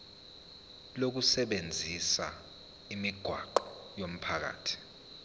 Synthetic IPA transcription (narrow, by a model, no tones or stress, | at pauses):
lok̬usɛɓend͡zʱisa̰ | imiɡ̥ʱwa̰ǃɔ̥ | jom̩pʰak̬a̰ːtʰi̥